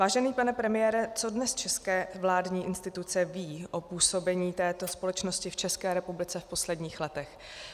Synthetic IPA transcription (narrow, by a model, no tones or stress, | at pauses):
vaːʒɛniːpanɛpɾɛmɪjɛːɾɛt͡so̞dnɛst͡ʃɛskɛːvlaːdɲiːʔɪnst̪ɪt̪ut͡sɛviːʔopuːso̞bɛɲiːt̪ɛːt̪o̞spo̞lɛt͡ʃno̞scɪft͡ʃɛskɛːɾɛpublɪt͡sɛfpo̞slɛdɲiːxlɛt̪ɛx